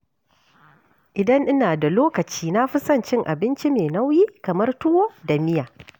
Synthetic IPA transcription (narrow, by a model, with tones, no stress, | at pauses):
ʔɪ˨dɐ˦ŋʔɪ˦naː˨da˨loː˦kɐ˨t͡ʃiː˦na˦ɸɪ˦sɐ˦˨nt͡ʃɪ˦ŋʔa̰˨bɪ˦nt͡ʃi˦meː˨na˦wjiː˦kɐ˨mɐ˦rtʊ˦woː˦da˨mɪ˦jaː˨